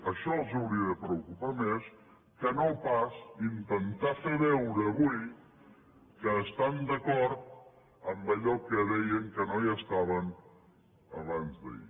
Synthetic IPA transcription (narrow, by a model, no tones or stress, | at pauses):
əʃɔəlˠzuwɾiəðəpɾəukupames | kənopasint̪ənt̪afeβɛwɾəːβuj | kəːst̪and̪əkɔɾt̪̚ | əmbəʎɔkəðɛjəŋkənojəst̪aβən | əβanzðə̰ḭ